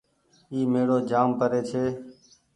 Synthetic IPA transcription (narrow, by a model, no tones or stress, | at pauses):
iːmeːɽoːd͡ʒaːmpəɾeːt͡ʃʰeː